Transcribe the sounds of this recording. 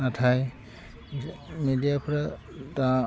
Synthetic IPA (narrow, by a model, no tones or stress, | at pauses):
natʰaj | medijapɔɹa | tã